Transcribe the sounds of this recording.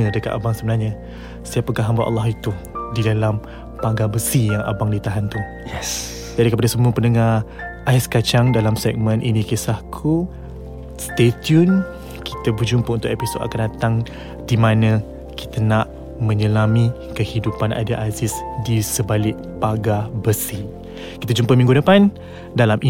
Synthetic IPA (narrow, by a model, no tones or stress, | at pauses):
ədəka̰t̪abaŋsəbənarɲa | siapəkaɦambaʔɑ̰lːɔɦit̪u | didalam | paɡabəsijaŋʔa̰baŋdit̪aɦant̪u | d͡ʒadikəpadasəmuəpənəŋaʔaiskat͡ʃaŋdalamsɛk̚mənʔinĩkisahkʰu | st̪et̪jun | kʰi̥t̪əbəd͡ʒumpəunt̪ʊʔepiso̰da̰kandat̪aŋ | dimãnə̃ | ki̥t̪anaʔ | mə̃ɲəlami | kəhidupana̰daʔazɪsdisəbalɪʔ | paɡabəsi | ki̥t̪ad͡ʒumpəmĩŋɡudəpan | dalamʔi